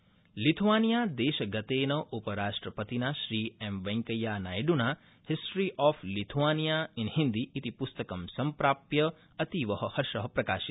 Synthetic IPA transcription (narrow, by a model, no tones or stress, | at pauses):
lit̪ʰʋanijad̪eːʃɡət̪enəʔupəɾaːʃʈɾəpət̪inaʃɾiːemʋɐ̃ŋkəjːanajɖuna | hɪsʈɾiʔɔfʰlit̪ʰʋanijaɪnhind̪iʔːt̪ipʊst̪əkəmsɐmpɾaːpjə | ɐt̪iʋəɦəhɐɾʃəɦəpɾɐkaːʃit̪